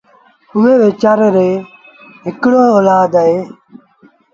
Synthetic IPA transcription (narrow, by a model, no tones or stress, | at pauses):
ʊmẽːʋeːt͡ʃaːɾɾeː | ɦɪkɽoːoːlaːd̪əɦeː